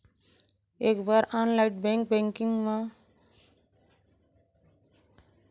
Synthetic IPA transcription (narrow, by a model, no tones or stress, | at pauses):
eːkbaːɾaːnlaɪʈbɛ̃ŋk̚bɛ̃ŋkɪ̃ŋɡmã